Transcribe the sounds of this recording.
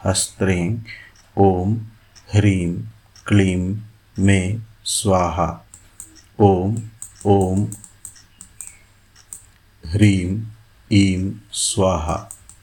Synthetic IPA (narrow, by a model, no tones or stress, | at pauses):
hɐst̪ɾẽːŋ | oːm | hɾiːm | kliːmː | eː | swaːɦa̰ | oːmoːm | ɦɾiːm | iːmswaːɦa̰